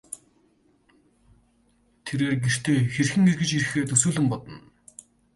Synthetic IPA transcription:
t̪ʰeɾeːrɡer̥t̪ʰeːxerxɘ̆ŋerɣɘ̆t͡ɕiɾɘ̆xeːt̪ɵsuːɮɘ̆mpɔt̪ɞ̆n

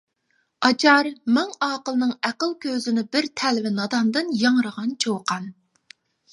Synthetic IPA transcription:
ɑt͡ʃʰɑɾmɛŋɑːqəlˠnɨŋæqəlˠkʲʰøzɪnɪbɪɾt̪ʰɛlvɪnɑd̪ɑnd̪ɨnjɑŋɾəʁɑnt͡ʃʰowqɑn

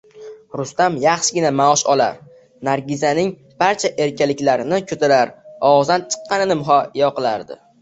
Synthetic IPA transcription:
ɾʊst̪amjɑχʃɪɡʲɪnamaɒʃɒla̰ɾ | naɾɡʲɪzanɪŋ | b̥aɾt͡ʃʰaʔe̞ɾkʲalɪkʲlaɾɪnɪkʲʰɵt̪ʰɪɾaɾɒwɒzd̪ant͡ʃʰɨ̥qʰːɑnɪnɪmɦɒjɒqɨlaɾd̪ɪ̰

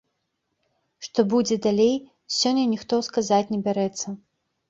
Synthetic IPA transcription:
ʂt̪ɔbud͡zʲɛd̪alʲej | sʲɔnʲːɐnʲixt̪ɔskazat͡sʲnʲɛbʲaɾɛt̪sːɐ

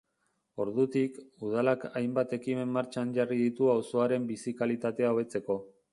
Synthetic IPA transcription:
o̞ɾðut̪ikuð̞alakajmbat̪e̞kime̞mːaɾt͡ʃanʝariðit̪uawso̞aɾe̞mbisikalit̪at̪e̞aoβe̞t͡se̞ko̞

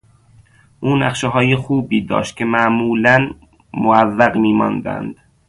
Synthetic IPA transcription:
ʔuːnæ̰qʃeɦɒːjexuːbiːd̪ɒ̰ːʃt̪̚kcʰemæʔmuːlæn | moævːæɢmiːmɒ̰nd̪æ̰nd̪̥

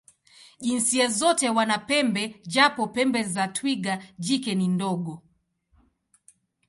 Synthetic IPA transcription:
ʄinsiɛzɔtɛwanapɛmbɛd͡ʒapɔpɛmbɛzatwiɡad͡ʒikɛnindɔɡɔ

